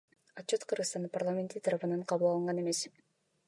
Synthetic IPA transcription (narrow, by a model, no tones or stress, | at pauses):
ɑt̪t͡ʃːot̪qʰɯɾʁɯst̪ɑnd̪ɯparlˠamʲet̪it̪ʰɑɾɑβɯnɑɴqʰɑβulˠɑlˠɯɴʁɑne̞me̞s